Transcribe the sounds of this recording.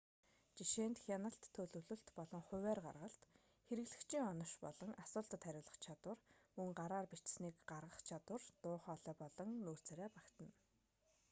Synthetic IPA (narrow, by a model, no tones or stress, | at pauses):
t͡ɕiʃeːnt̪xʲanə̆ɬt̪ʰːɵɮɵ̆wɮɵ̆ɬt̪pɔɮɞ̆ŋχʊ̟wæːrɢa̰rʁə̆ɬt̪ | xeɾɘ̆ɣɮɘ̆kt͡ɕʰiŋɔnɞ̆ʃpɔ̰ɮɞ̆ŋʔasʊːɮt̪ə̆t̪ʰːæɾʲʊːɮə̆χt͡ɕʰat̪wə̆rmɵŋɢaɾaːrpit͡ɕsniːkɢarʁə̆χt͡ɕʰat̪wə̆rt̪ʊːχɔːɮœːpɔɮɞ̆ŋnuːr̥t͡sæɾæːpakt̪ə̆n